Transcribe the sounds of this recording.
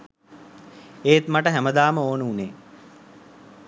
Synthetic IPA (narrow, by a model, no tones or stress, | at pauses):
eːt̪maʈəɦæməd̪aːməoːnəuneː